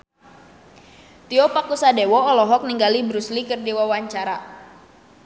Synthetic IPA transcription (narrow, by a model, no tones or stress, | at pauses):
t̪iɔpakusadewɔːlɔɦɔk̚niŋɡalibɾuslikɨrdiwawaɲt͡ʃaɾa